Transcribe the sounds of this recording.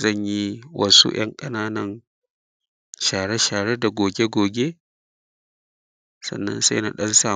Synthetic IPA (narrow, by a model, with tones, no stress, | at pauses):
zɐ˦˨ɲji˦wʔɐ̰˦sṵ˦j̰ʔɐ̰˦ŋkʼɐ˦naː˦nɐ˦n | ʃaː˨ɽe˦ʃaː˨ɽe˦da˨ɡʷoː˨ɡʲe˦ɡʷoː˨ɡʲe˦ | sɐ̰˨nːɐ̰˦nsa̰˦jna̰˨ɗɐ˦nsaː˦˨